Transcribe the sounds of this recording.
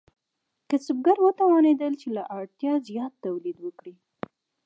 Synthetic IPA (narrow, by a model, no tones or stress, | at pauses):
kasʊb̚ɡaɾwət̪awɑned̪əlt͡ʃelaʔaɽt̪jɑzijɑt̪ːawlid̪wəkɽi